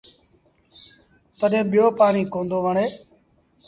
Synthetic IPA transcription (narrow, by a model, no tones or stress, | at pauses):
t̪əɗẽːɓɪjoːpaːnĩːkõːnd̪oːʋəɳeː